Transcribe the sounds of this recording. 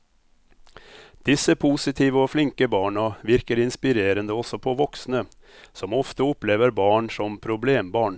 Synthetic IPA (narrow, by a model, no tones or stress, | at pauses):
d̪̥ɪsːəpʰʊsɪt̪ʰiːʋəɔflɪŋkəbɑːɳɑʋɪɾkəɾɪnspɪɾeːɾənd̪əɔsːɔpʰɔʋɔksnə | sɔmɔft̪əɔpːleːʋəɾbɑːɳʂɔmpʰɾʊbleːmbɑːɳ